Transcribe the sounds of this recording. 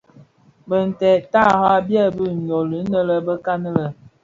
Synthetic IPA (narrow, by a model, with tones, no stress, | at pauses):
bə˨n̩˨tɛ˨ta˦˨ha˦bjɛ˦˨bə˦˨n̩˨ɔ˨lə˨˦nə˦lə˦bə˦ka˦nə˦lə˨